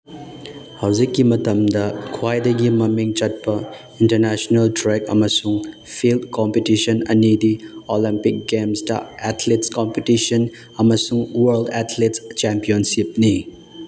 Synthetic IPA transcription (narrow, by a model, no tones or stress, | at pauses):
hɐwd͡ʒikːimɐtɐmdɐkʰuwajdɐɡimɐmiŋt͡ʃɐt̚pɐ | intɐɾnesonɐltɾekɐ̰mɐsuŋ | pʰildkompetisɐnɐ̰nidiolimpik̚ɡemstɐ̰ɛtʰletskompetisɐn | ɐmɐsuŋwɐɾldɛtʰletst͡ʃempionsip̚ni